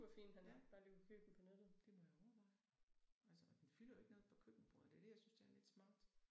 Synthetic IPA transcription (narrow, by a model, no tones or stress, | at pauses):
ub̥ɐfḭːnɦænæ̥b̥ɑ̈ːleʊkʰøb̥n̩pʰɒ̽ned̥ð̩ˠd̥e̝mɒ̽jɑ̈ɒʊɐʋɑ̈ɪ | ælsəɒd̥enfylɐjoeɡ̥noːð̩ˠpʰɒ̽kʰøb̥n̩b̥ʁoɐ̰d̥e̝ɐd̥e̝jɑ̈ɪsynsd̥eɐle̝d̥smɑ̈ːd̥